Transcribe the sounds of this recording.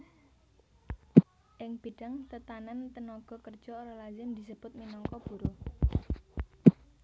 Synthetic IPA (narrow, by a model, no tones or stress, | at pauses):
ʔɪŋb̥i̤ɖ̥a̤ŋt̪ət̪anant̪ənɔɡ̥ɔ̤kər̥d͡ʒ̥ɔːɾalad͡ʒɪmd̪isəb̥ʊt̪̚minɔŋkɔb̥ṳɾo